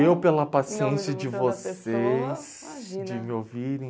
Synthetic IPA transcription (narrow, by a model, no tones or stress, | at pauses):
ewpelɐpasiẽnsjɐd͡ʒɪvosejs | d͡ʒɪmɪowviɾẽ